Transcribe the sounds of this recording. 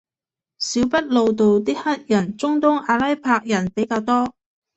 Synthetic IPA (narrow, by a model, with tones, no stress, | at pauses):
siː˨˥wpɐ˥t̚lo˨wt̪̬o˨wt̪iː˥hɐ˥t̚jɐ˨˩nt͡sʊ˥ŋt̪ʊ˥ŋaː˨˧lɐ˥jpʰaː˧k̚jɐ˨˩npe˨˥jkaː˧wt̪ɔː˥